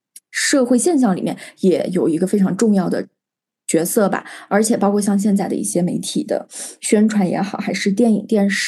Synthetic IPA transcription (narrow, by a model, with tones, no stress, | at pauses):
ʂɤ˥˧xwe˥˧ɪɕjɛ˥˧nɕ̬jɑ˥˩ŋlḭ˨˩mjɛ˥˩njɛ˨˧˩jo˨˩ʊi˧˥ɡə˧fe˥ɪʈ͡ʂʰɑ˧˥ŋʈ͡ʂʊ˥˧ŋjɑ˥˩ʊd̪ə̰˩ | t͡ɕɥɛ˧˥sɤ˥˩ba̰˩ə˞˧˥t͡ɕʰjɛ˨˩pɑ˥ʊkʰwɔ˥˧ɕjɑ˥˧ŋɕ̬jɛ˥˧nt͡sa˥˩ɪd̪ə̰˧ḭ˥˩ɕjɛ˥me˧˥ɪt̪ʰḭ˨˩d̪ə̰˦ɕɥɛ˥nʈ͡ʂʰwa˧˥njɛ̰˧˥xɑ˨˩˦ʊxa˧˥ɪʂɻ̩˥˧t̪jɛ˥˩ni˨˩t̪jɛ˥˧nʂ